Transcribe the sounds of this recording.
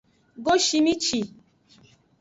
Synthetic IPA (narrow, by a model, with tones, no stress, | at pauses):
ɡo˦ʃi˦mi˦t͡ʃi˨